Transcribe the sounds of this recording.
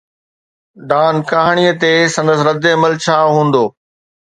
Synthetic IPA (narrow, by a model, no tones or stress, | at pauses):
ɖaːnkaːɦɽ̃ijət̪eːsɐ̃nd̪əs̬ɾɐd̪eɐməlt͡ɕʰaːɦũːn̆d̪oː